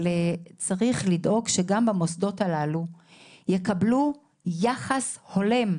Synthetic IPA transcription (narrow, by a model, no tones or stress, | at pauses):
let͡saʁiχlidʔo̞kʃeɡambamo̞sdo̞talalujekablu | jaχasho̞le̞m